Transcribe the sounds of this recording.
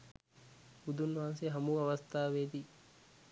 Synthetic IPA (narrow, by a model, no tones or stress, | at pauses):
ud̪unʋaːnseɦɐmuːɐʋɐst̪ʰaːʋeːd̪i